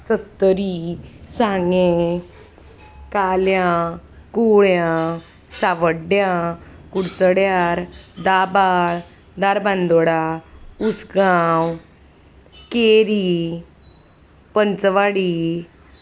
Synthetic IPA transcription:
sət̪ːəɾisãŋɡẽ | kaljãkuɭjã | saʋəɖjãkuɽt͡səɽjaɾd̪abaɭ | d̪aɾbãnd̪oɽausɡaw | keɾi | pənt͡sʋaɽi

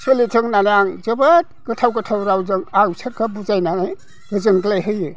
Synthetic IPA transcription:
sɯlitʰɯŋnanaŋd͡ʒɯbat̚ɡ̥ɯtʰawɡɯtʰawɾawzɯŋawsʰeɾkʰabuzajnanaj | ɡɯzɯŋɡlajɦɯjɯ

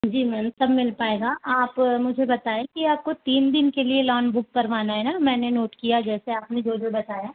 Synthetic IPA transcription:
d͡ʒiːmɛːmsɐbmɪlpaːeːɡaʔaːpmʊd͡ʒʱebɐt̪aːẽkiaːp̚kot̪iːnd̪ɪnkelielɔːnbʊk̚pɐɾʋaːnaɦɛnamɛ̃ːnenoːʈkijad͡ʒɛːseaːpned͡ʒoːd̪lbɐt̪aːjaː

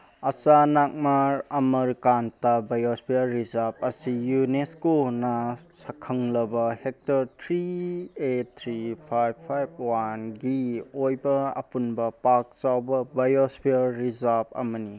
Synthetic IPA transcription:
ɐt͡ʃanak̚maɾɐmɐɾkantabajospʰiaɾɾizap̚ɐsijuneskonɐsɐkʰɐŋlɐbɐhek̚tɐɾtʰɾietʰɾipʰajbʰajb̚wanɡiojbɐɐ̰punbɐpak̚t͡ʃawbɐbajospʰiːizap̚ɐ̰mɐni

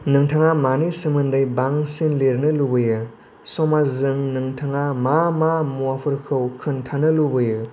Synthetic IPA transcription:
nɯŋtʰaŋamanisɯmɯndajbaŋsinleɾnɯlubɯjɯ | sɔmazɯŋnɯŋtʰaŋamamamuwapʰɯɾkʰɯwkʰɯntʰanɯlubɯjɯ

